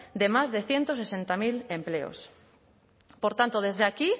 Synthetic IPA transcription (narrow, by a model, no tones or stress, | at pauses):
d̪emazðeθjent̪osesent̪amilempleo̰s | poɾt̪ant̪oð̞ezðeaki